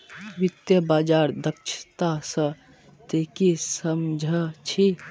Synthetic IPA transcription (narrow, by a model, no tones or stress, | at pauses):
ʋit̪jəbaːd͡ʒaɾd̪əkʃʰt̪asə | t̪ekisəmd͡ʒʱət͡ʃʰi